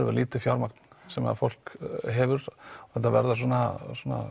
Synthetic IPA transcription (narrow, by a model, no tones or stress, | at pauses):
ɾvɛ̰ɾliːt̪ʏfjawɾmakt̪n̥sɛma̰ðfowl̥kɦɛvʏɾɔθɛt̪ːavɛ̰ɾðasuɔnaswɔna̰